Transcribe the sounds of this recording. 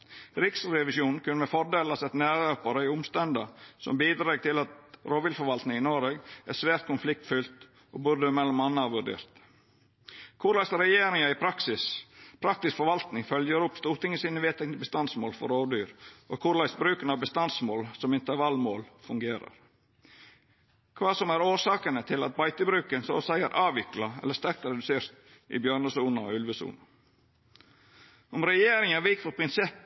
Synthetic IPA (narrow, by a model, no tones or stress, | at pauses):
ɾɪksɾɛʋɪsjuːnkʰʉnːəmɛfɔɖeːlɑsɛt̪næːɾøːpɑɾəɪʊmst̪ɛnd̪əsɔ̰mbiːd̪ɾɑːɡ̚t̪ʰɪlɑt̪ɾoːʋɪːlfɔɾʋɑlt̪nɪŋɪnoːɾeɡæsʋæːɾt̪̚kʰʊnflɪk̚t̪fʏlt̪ | ʔo̰ːbʉɾd̪əmɛlːɔmɑnːəɑʋʉɖ̪ḛːɾt̪ | kʰʊɾlɑɪsɾɛjeːɾɪŋəɪpʰɾɑksɪspʰɾɑk̚t̪ɪskfɔɾʋɑlt̪nɪŋfœljəɾʊpst̪uːɾt̪ɪŋːəsiːnəʋeːt̪ɛknəbəst̪ɑnsmoːlfɔ̰ɾoːd̪yːɾʔoːkʰʊɾlɑɪsbɾʉːkənɑʋbəst̪ɑnsmoːlsɔmɪnt̪əɾʋɑlmoːlfʉŋɡeːɾɑ̰ɾ | kʰʋɑːsɔmæɾoːʂɑːkənət̪ʰɪlɑ̰t̪̚bɑɪt̪əbɾʉːkənsɔsæɪə̰ɾʔɑːʋɪklɑɛ̰lːəʂt̪æɾk̚t̪ɾɛd̪ʉseːɾt̪ | ʔɪ̰bjøːɾɳəsuːnəɔ̰ʉlʋəsṵːnə | ɔmɾɛjeːɾɪŋɑʋɪkfɔpʰɾɪnsɛpː